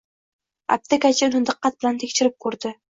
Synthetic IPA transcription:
a̰p̚t̪ʰakʲat͡ʃʰanɪnd̪ɨqːɑt̪̚bɪlant̪ʰekʲʃɪɾɪp̚kʰɵɾd̪ɪ

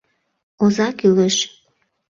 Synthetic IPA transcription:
ozɑkyleʃ

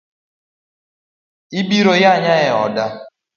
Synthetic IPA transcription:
ibiɾojaɲaɣɛɔda

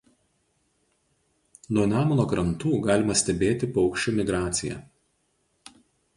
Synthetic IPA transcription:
nuɔnʲæːmɔnoːkɾɐnt̪uːɡɑːlʲɪmɐsʲt̪ʲɛbʲeːt̪ʲɪpɔʊkʃʲt͡ʃʲʊmʲɪɡɾɑːt̪sʲɪjɛ̰

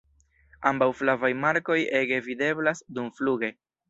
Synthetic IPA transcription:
ambawflavajmaɾko̞je̞ɡe̞vide̞blasdumfluɡe̞

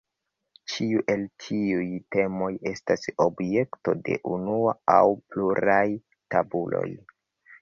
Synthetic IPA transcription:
t͡ʃiuʔe̞ltʰiujte̞mo̞je̞stasobje̞kto̞de̞̰ʔunuaawpluɾaj | tabulo̞̰j

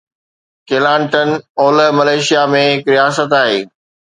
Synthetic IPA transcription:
keːlãːɳʈənoːləmɐleːʃijamẽɦɪkɾijaːsət̪aːɦḛː

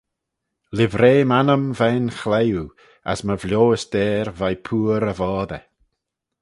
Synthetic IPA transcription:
lɪvɾeːmanəmvɛnxlɛju | a̰sməvlʲjoːəsd̪̥ɛːɾvajpʰuːɾəvɔːðɛ

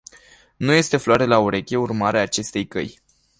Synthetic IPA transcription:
nuje̞st̪e̞floaɾelauɾe̞kʲe̞urmaɾeaːt͡ʃe̞st̪e̞jkə̰j

